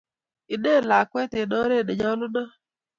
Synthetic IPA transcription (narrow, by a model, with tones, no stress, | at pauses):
ɪ˨ɗe˦˨la˨kwɛ˦te˨ɗɔ˦ɾe˦˨ɗe˨ɲa˦lʊ˦dɔ˦